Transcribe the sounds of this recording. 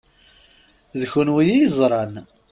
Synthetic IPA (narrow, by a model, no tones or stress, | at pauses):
ðçʊnwijizˤɾˤɑn